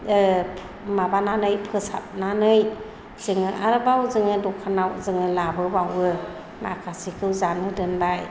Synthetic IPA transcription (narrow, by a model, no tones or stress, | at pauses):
mabananɯjpʰɯsa̰t̚nanɯj | zɯŋɯʔaɾɯbawzɯŋɯdɔkʰanawzɯŋɯlabɯbawɯ | ma̰kʰasikʰɯwzanmɯdɯnbaj